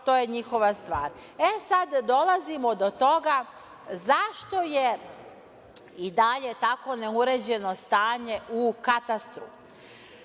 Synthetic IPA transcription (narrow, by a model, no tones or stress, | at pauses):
t̪o̞ːje̞ɲixo̞ʋast̪ʋaːɾ | esad̪d̪o̞lazimo̞d̪o̞t̪o̞ɡa | zaʃt̪o̞je | id̪aʎe̞t̪ako̞neuɾe̞ːd͡ʑe̞no̞st̪aːɲe̞ʔukat̪ast̪ɾu